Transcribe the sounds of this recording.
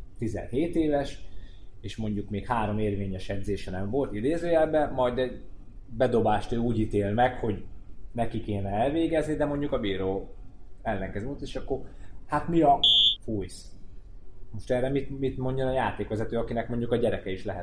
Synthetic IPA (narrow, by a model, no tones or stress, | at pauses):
t̪izɛ̰nɦeːt̪eːvɛʃ | eːʃmo̞ɲɟukmeːkhaːɾo̞meːrveːɲɛʃɛd̪zeːʃɛnɛɱvo̞lt̪id̪eːzøːjɛlbɛmɒjd̪ɛɟ | bɛd̪o̞baːʃt̪øːuːɟit̪eːlmɛkho̞ɟnɛkikeːnɛɛlveːɡɛznid̪ɛmo̞ɲɟukɒbiːɾoː | ɛlːɛŋkɛzmot̪eːʃɒkːo̞rhat̪miɒfujs | mo̞ʃt̪ɛrːɛmit̪mit̪mo̞ɲɟɒnɒjaːt̪eːkʋɛzɛt̪øːɒkinɛkmo̞ɲɟukɒɟɛɾɛkɛiʃlɛɦɛ̰t̪